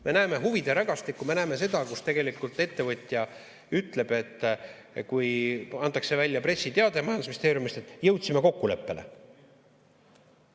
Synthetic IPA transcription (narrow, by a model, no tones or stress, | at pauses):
me̞næːme̞ɦuvid̪̥eɾɑɡ̥ɑst̪ikːˑume̞næːme̞s̬e̞d̪̥ɑkust̪e̞ɡ̥e̞likːˑult̪ːˑe̞t̪ːe̞vɤt̪ʲˑjɑ | yt̪ˑle̞b̥e̞t̪ː | kujɑnt̪ːˑɑkse̞vælʲjɑpre̞sʲːit̪e̞ɑd̪emɑjɑnd̪sminst̪eːɾjumist̪et̪ːˑjɤwt̪ʲsimeko̞kːule̞pːe̞le̞̰